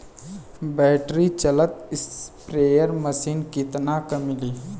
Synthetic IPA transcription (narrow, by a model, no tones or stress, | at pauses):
bɛːʈɾit͡ʃɐlət̪ɪspɾeːjəɾməsiːnkɪt̪nakɐmɪliː